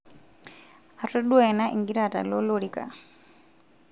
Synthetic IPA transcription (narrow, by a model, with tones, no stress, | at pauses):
a˨tu˦ɗwɛ˨na˦ʔi˨ŋɡi˦ɾa˨ta̰˨lɔ˦loɾika̰